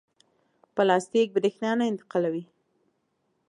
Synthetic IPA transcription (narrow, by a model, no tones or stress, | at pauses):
pəlɑst̪ik̚bɪd̪exnɑnaɪnt̪ɪ̥qɑlawi